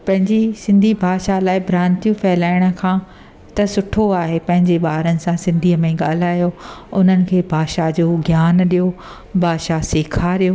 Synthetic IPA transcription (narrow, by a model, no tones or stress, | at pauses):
pɐ̃ɦɪ̃ɲd͡ʑisɪ̃nd̪ʱibʱaːʃalaːɪbʱɾãːnt̪ijũfɛːlaːɪɽ̃ə̆kʰãː | t̪ɐsʊʈʰoaːɦepɐ̃ɦɪ̃ɲd͡ʑeɓaːɾənɪ̆sãsɪ̃nd̪ʱiːəmẽɠaːl̤aːjoʊn̤ənɪ̆kʰeːbʱaːʃad͡ʑoːɡʱjaːnɗijo | bʱaːʃaseːkʰaɾijoː